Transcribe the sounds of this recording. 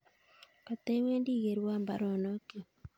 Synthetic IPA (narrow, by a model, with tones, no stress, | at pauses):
ka˨t̪e˦we˦ndi˦ɣe˨ɾwa˦˨mba̰˨ɾɔ˨nɔ˦ke˨